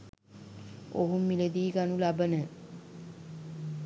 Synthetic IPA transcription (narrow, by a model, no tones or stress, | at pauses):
o̰ɦumːiled̪iːɡanulabənə